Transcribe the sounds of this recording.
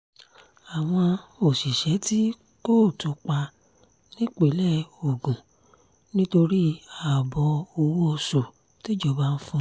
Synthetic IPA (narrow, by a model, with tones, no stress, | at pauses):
a˨w̃ɔ̃˧o˨si˨ʃɛ˨˦ti˦ | ko˦˨to˨˦k͡pa˧ | nĩ˦k͡pe˨˦lɛ˦o˨ɡũ˨ | nĩ˦to˧ɾi˦a˨bɔ˧˦o˧wu˦ɔ˧so˨ | ti˦d͡ʒɔ˦ba˦n̩˦fũ˦